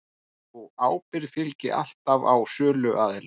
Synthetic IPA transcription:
ɔɣaːwpɪɾfɪlcɪ̰ʔa̰l̥t̪ava̰wsœːlʏʔaːðɪl

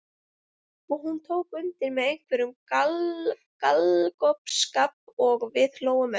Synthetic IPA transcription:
ɔɦunt̪ʰoːwkʏnt̪ɪɾmɛðejŋ̥kʰvɛɾʏmkal | kalkɔpskapɔɣvɪðloːwʏmɛ

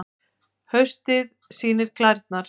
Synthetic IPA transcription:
hœɥst̪ɪð | siːnɪɾ̥kʰlaɾt̪̚naɾ̥

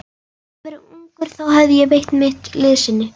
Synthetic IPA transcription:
kvɪɾɪuŋkʏɾ̥θawhɛvðɪjɛɣvejht̪nmɪht̪lɪðsɪnːʏ

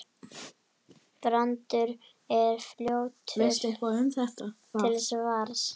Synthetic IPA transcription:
pɾant̪ʏɾ | ɛɾfljoːwt̪ʰest̪ehkaðɛnθɛht̪a | ɪlθɛsɛvaːɾs

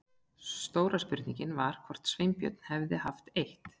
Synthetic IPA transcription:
st̪oːwɾaspʏɾ̥t̪niɲcɪnvaɾ̥kʰvɔr̥t̪svejmpjœ̰t̪̚n̥hɛvðɪhaft̪ejht̪

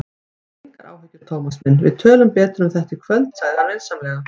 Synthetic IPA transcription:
ŋkaɾa̰ːwhɛcːʏɾt̪ʰoːwmasmɪnvɪðt̪ʰœːlʏmpɛːt̪ɾʏmθɛht̪ɪkʰvœlt̪saːjðaɾvɛlsamlɛːɣa

